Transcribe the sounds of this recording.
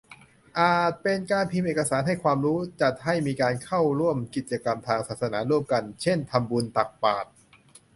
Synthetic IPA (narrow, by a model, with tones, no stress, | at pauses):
ʔaː˨˩t̪̚pe˧nkaː˧npʰi˧mʔeː˨˩ka˧saː˩˦nɦa˥˩jkʰwaː˧mɾuː˦˥t͡ɕa˨˩t̪̚ha˥˩jmiː˧kaː˧nkʰa˥˩wɾu˥˩əmki˨˩t̪̚t͡ɕa˧ka˧mt̪ʰaː˧ŋsaː˨˩sa˧naː˩˦ɾu˥˩əmka˧nt͡ɕʰe˥˩nt̪ʰa˧mbu˧nt̪a˨˩k̚paː˨˩t̪̚